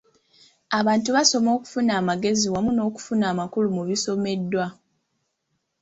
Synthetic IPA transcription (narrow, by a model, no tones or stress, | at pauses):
aβaːntuβaso̞mo̞ːku̥funaːmaɡe̞ziwamuno̞ːku̥funaːmakulumuβiso̞me̞dːwa